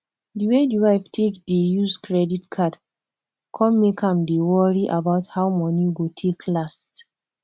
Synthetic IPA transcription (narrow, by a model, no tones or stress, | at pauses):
diwediɹaɪftʰekdejuzkʰɹɛditkʰad | kʰɔ̃mːekʰãmdewɔɹiʔabaʊthawmɔniɡotʰekʰlast